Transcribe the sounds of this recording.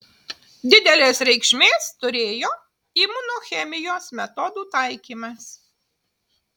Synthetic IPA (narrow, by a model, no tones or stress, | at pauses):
d̪ʲɪd̪ʲɛlʲeːsɾʲɛɪkʃʲmʲeːst̪ʊɾʲeːjoː | iːmʊnoːxʲɛmʲɪjoːsmʲɛt̪ɔd̪uːt̪ɑˑɪkʲiːmɐs